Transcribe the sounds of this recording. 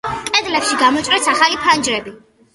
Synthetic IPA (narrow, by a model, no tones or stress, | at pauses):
kʼɛd̪lɛpʃiɡamɔt͡ʃʼɾɛsaχalipʰand͡ʒɾɛbi